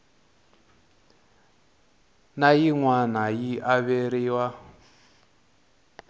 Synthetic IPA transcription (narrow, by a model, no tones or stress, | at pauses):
najiŋwanajiʔaβeɾiwa